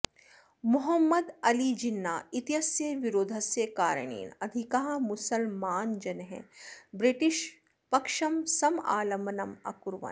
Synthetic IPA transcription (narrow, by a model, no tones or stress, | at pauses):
mʊɦɐmːɐd̪ɐlid͡ʒinːaːit̪jɐsjɐʋiɾoːd̪ʱɐsjɐkaːɾə̰ɳ̃ḭːnɐd̪ʱikaɦɐmʊsɐlmaːnd͡ʒɐnɦḛ̃bɾɪʈiʃ | pɐkʃɐmsɐma̰ːlɐmɐnɐmɐ̰kuɾʋɐ̰̃n